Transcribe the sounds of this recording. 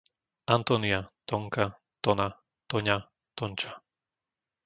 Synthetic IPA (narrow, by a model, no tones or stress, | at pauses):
ant̪ɔniat̪ɔŋka | t̪ɔna | t̪ɔɲa | t̪ɔnt͡ʃḁ